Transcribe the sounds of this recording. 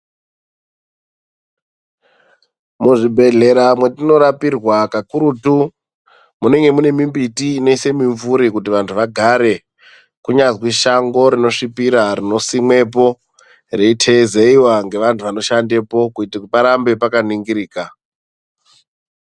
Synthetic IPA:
muʐibʱe̞ɮe̞ɾamwe̞tino̞ɾapirwakakuɾuːtu | mune̞ŋɡe̞mune̞mimbitiːne̞ise̞miɱvuɾikut̬iʋantʰuʋaɡʱaɾe̞ | kuɲazwiʃaŋɡo̞ɾino̞ʂipiɾaɾino̞simwe̞p̬o̞ | re̞itʰezeiwaŋɡe̞ʋantʰuʋano̞ʃande̞po̞kuitpaɾambe̞pakaniŋɡiɾiːka

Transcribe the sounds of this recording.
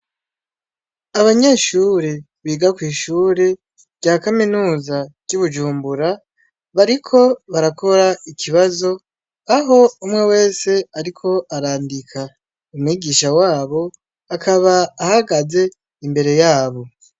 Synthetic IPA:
aβaɲe̞ːʃuːɾe | βiːɡakwiːʃuːɾe̞ | ɟaːkaminuːzaɟuβud͡ʒuːmbuɾa | βaɾikʰo̞βaɾakʰo̞ɾaikiβazo̞ | aɦo̞umŋe̞we̞ːse̞aɾikʰo̞ʔaɾaːndikʰa | umwiːɡiːʃawaːβo̞ | akʰaβaːhaɡaze̞ | imbe̞ɾe̞jaːβo̞

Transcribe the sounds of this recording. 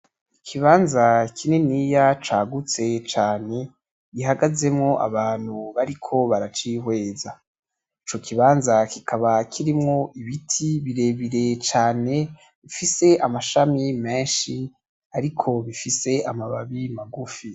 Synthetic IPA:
ikʰiβaːnzakʰinenijat͡ʃaːɡut͡se̞t͡ʃaːne | ɡiɦaɡaze̞mŋo̞ʔa̰βaːn̥huβaɾikʰo̞βaɾat͡ʃihwe̞ːza | it͡ʃo̞kʰiβaːnzakikʰaβakʰiɾimŋo̞ʔiβitʰiβiɾe̞βiɾe̞t͡ʃaːne̞ | βifise̞ʔamaʃamimeːʃi | aɾikʰo̞βifise̞ʔamaβaβimaɡufi

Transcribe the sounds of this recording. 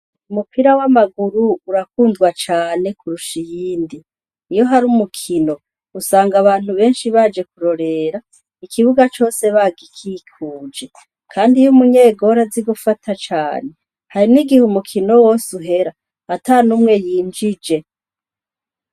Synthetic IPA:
umupʰiɾawamaɡuɾuːɾakuːndɡwat͡ʃaːne̞kuɾuʃijiːndiː | jo̞ɦaɾumukʰino̞ | usaːŋɡaβaːn̥huβe̞ːnʃiβad͡ʒe̞kuɾo̞ɾe̞ːɾa | ikʰiβuɡat͡ʃo̞ːse̞βaɡikʰikʰuːd͡ʒe̞ | kʰaːndijumuɲe̞ːɡo̞ɾaziɡufatʰat͡ʃaːne̞ | haɾiniɡihumukʰino̞woːsuɦe̞ɾaː | tanuːmŋe̞jiːnd͡ʒid͡ʒe̞

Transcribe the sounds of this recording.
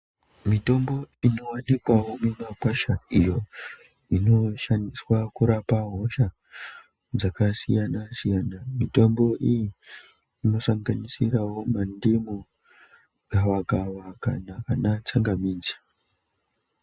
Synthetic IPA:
mito̞mbo̞ino̞wanikwawomemakwaʃaijo̞ | ino̞ʃandiswakuɾapaɦo̞ʃa | d͡zakasijanasijanamito̞mbo̞ʔijiː | no̞saŋɡanisirawo̞mandimu | ɡʱawaɡawakanaanat͡saŋɡamiːd͡zḁ

